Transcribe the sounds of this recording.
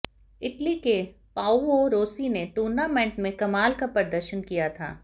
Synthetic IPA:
ɪʈlike | paːuoːɾoːsineʈuːɾnamẽːɳʈmẽkɐmaːlkapɐɾd̪əɾʃənkijat̪ʰa̰ː

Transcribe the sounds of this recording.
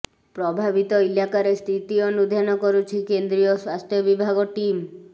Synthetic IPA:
pɾobʱabit̪oilakaɾest̪ʰit̪ionud̪ʱanɔkoɾut͡ʃʰikend̪ɾioswast̪ʰjobibʱaɡoʈim

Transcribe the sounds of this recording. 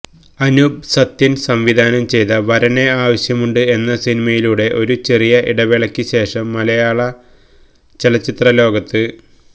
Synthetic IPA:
ɐnubsɐt̪ːjinsɐmʋid̪ʱaːnɐmt͡ɕe̞jt̪ɐʋɐɾɐne̞aːʋɐɕjɐmuɳɖɨe̞nːɐsinimɐjiluːɽe̞ʔo̞ɾut͡ɕe̞rijɐʔiɽɐʋeɭɐkʲːɨɕe̞ːʂɐmːɐlɐjaːɭɐ | t͡ɕelɐt͡ɕːit̪rɐlo̞ːɡɐt̪ːɨ

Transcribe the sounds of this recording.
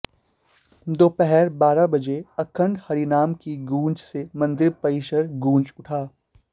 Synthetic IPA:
d̪oːpɛɦɛɾbaːɾabɐd͡ʒeɐkʰə̃ɳɖhɐɾinaːmkiɡũːnt͡ʃsemɐ̃nd̪ɪɾpɐiːʃəɾɡũːnt͡ʃʊʈʰaː

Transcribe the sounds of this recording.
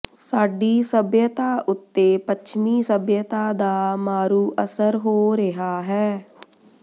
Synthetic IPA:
saːɖiːsəbjət̪aːʔʊt̪ːeːpət͡ʃʰmiːsəbjət̪aːd̪aːmaːɾuːʔəsəɾɦoːɾɪɦaːɦɛː

